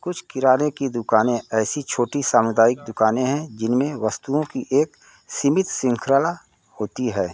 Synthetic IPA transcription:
kʊt͡ʃʰkɪɾaːnekid̪ʊkaːnẽɛːsit͡ʃʰoːʈisaːməd̪aːɪk̚d̪ʊkaːnẽɦɛ̃d͡ʒɪnmẽʋəst̪uõkiʔeːk | sɪmɪt̪sɪ̃ŋkʰɾəla | hoːt̪iɦɛː

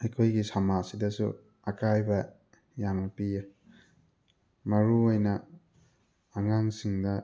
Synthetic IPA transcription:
ejkʰojɡisamasidɐsṵ | ɐkajbɐ | jamnɐpija | mɐɾuojnɐ | ŋaŋsiŋdɐ

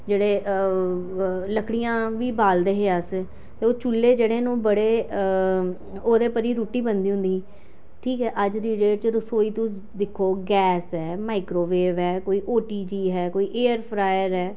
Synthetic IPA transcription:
d͡ʒeːɽeː | ləkɽijãːʋiːbaːld̪eːɦeːəs | t̪eːoːt͡ʃulːeːd͡ʒeːɽeːnũːbəɽeː | oːd̪eːpəɾiːɾuːʈiːbənd̪iːɦʊ̃nd̪iː | ʈʰiːkɦɛːʔəd͡ʒɾiːɖeːʈt͡ʃɾəsoːiːt̪ʊs | d̪ɪkʰːoːɡɛːsɦɛːmaːɪkɾoːʋeːʋɦɛːkoːiːʔoːʈiːd͡ʒiːɦɛːkoːiːʔeːəɾpʰɾaːjəɾɦɛː

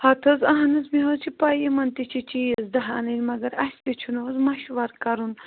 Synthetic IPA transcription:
hɐt̪ʰɐzɐɦɐnɐzmiɦozt͡ʃʰipaːjimɐnt̪it͡ʃʰit͡ʃijɐzd̪ɐɦaːnɐlʲmɐɡɐɾɐsʲt̪ʲit͡ʃʰunozmɐʃʋɐɾkɐɾun

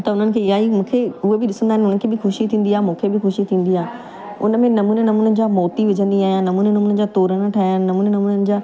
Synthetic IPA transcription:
t̪ɐʊn̤ənɪ̆kʰeːɪaːimũːkʰeʊɦebɪɗɪsə̃nd̪aːɪnʊnən̆kʰeːbɪxʊʃit̪ʰĩːnd̪iaːɦemũːkʰebɪxʊʃit̪ʰĩːn̆d̪iaːe | ʊ̰nə̆mẽnɐmuːnenɐmuːnənd͡ʑaːmoːt̪iʋɪd͡ʑʱə̃nd̪iaːɦijãnɐmuːnenɐmuːnə̆d͡ʑaːt̪oːɾənəʈʰaːən̆nɐmuːnenɐmuːnənɪ̆d͡ʑaː

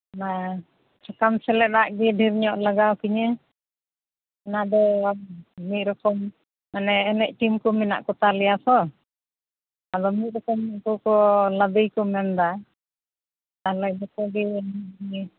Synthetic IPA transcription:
na | t͡ʃakamsɛlɛaʔɡɛɖʱiɾɲɔʔlaɡawkiɲɛ | ɛnad̪ɔamit̪̚ɾɔkɔm | ɛnɛːnɛʔʈimkɔmina̰ʔkɔt̪alɛjasɔ | ad̪ɔmit̪̚ɾɔkɔmːiʔkɔkɔlad̪əjkɔmɛnd̪a | alajbɛkɔɡɛɛnɛiɲɛ

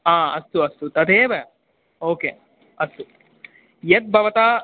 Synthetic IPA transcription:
ãːɐst̪uɐst̪ut̪ɐd̪eːʋɐ | oːkeː | ɐst̪u | jɐt̪̚bʱɐʋɐt̪aː

